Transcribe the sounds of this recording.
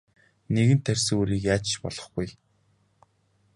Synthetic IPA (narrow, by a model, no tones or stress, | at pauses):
neɣɘ̆nt̪ʰːærʲsɘŋuːɾiːkjaːt͡ɕt͡ɕpɔ̰ɮɞ̆χɡuj